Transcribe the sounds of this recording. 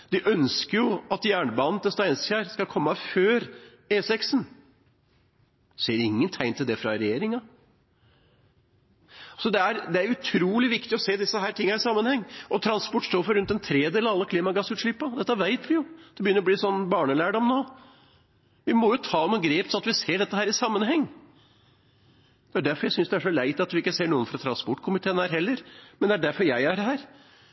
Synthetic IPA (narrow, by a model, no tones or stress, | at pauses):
d̪ɪʔœnskəɾjʊɑt̪jæːɳəbɑnːət̪ʰɛst̪ɔæɪnsçæːɾskɑkʰɔmːəføːɾ | eːsɛksn | seːɾɪŋːənt̪ʰæɪnt̪ɪld̪ɛfɾɑɾɛjeːɾɪŋɑ | sɔd̪ɛæɾd̪ɛæɾjʊʉt̪ʰɾuːlɪʋɪkt̪ɪɔseːd̪ɪsːəɦæːʈʰɪŋːhæɾɪsɑmːənhɛŋːʔɔt̪ʰɾɑnspɔʈːʂt̪oːɾfɔɾʉnt̪ɛnt̪ʰɾeːd̪eːlɑʋɑlːəkʰliːmɑɡɑsʉːt̪ʂɭɪpːɑd̪ɛt̪ːəʋæɪt̪ʋɪjʊd̪̥ɛbəjʏnːɾɔbliːsɔnːbɑːɳəlæːɖɔmnoː | ʋɪmɔjʊt̪ʰɑːmuːɡɾeːpsɔnɑt̪ʋɪseːɖɛt̪ːəhæːɾɪsɑmːənɦɛŋː | d̪̥ɛæɖæɾfɔɾjæɪsʏnsd̪ɛæʂɔlæɪt̪ɑt̪ʋɪɪkːəseːɳuːənfɾɑt̪ʰɾɑnspɔʈːkʰʊmɪt̪ʰeːənhæːɾɦɛlːəɾmɛnd̪ɛæɖæɾfɔɾjæɪæɾhæːɾ